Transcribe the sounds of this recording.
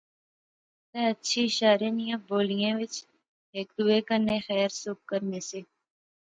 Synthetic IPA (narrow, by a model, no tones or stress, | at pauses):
t̪ɛ̃ətːʃʰiʃaːɾẽnijãːboːlijãːʋɪt͡ʃ | eːk̚d̪uːekəɾnexɛːɾsʊk̚kəɾneseː